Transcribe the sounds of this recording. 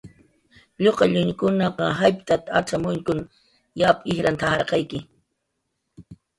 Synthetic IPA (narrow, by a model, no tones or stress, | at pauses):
ʎoqɑʎʊɲkʊnɑqɑɦajpt̪at̪aaʈ͡ʂamʊŋkʊn | japɪhɾant̪ʰahɑɾqɑjkɪ